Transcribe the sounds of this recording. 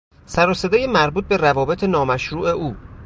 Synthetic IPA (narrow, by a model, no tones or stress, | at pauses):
sæɾɔːse̞d̪ejemæɾbuːt̪̚be̞rævɒːbet̪ʰenɒːmæʃɾuːʔe̞uː